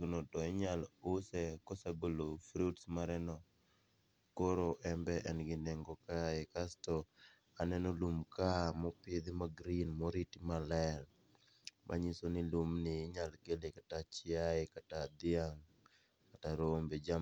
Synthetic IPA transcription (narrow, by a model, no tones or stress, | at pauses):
ɡnotɔɪɲalʊsɛkɔsaɡolofɾutsmaɾɛnɔ | koɾoʔɛmbɛʔɛnɡɪndeŋɡɔkaɪkastɔ | anɛnolumkamɔpɪd̪ɪmaɡɾinmɔɾitimalɛl | mʔa̰ɲisonɪlumnɪɲalɡelekatat͡ʃɪaɪkatad̪ɪaŋ | kataɾombed͡ʒa